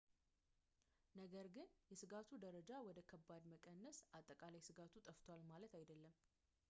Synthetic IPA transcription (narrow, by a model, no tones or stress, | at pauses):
nəɡəɾɡɨnjɛsɨɡat̪ʰud̪əɾəd͡ʒawɔd̪əkʰəbːad̪məkʼənːəsʔat̪ʼːəkʼalajsɨɡat̪ʰut̪ʼəft̪ʰowalmalət̪ajd̪əlːəm